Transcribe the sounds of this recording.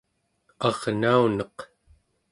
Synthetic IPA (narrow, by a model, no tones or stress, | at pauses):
ɑʁnaunʌq